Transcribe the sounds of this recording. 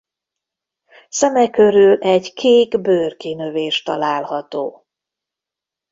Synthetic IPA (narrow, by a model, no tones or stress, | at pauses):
sɛmɛkø̞ɾylɛɟkʰeːɡbøːrkinøveːʃt̪ɒlaːlhɒt̪oː